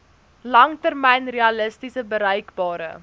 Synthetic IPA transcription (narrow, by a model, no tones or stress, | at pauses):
lɐŋtərmɛjnriɑləstisəbəɾɛjkbɑːɾə̰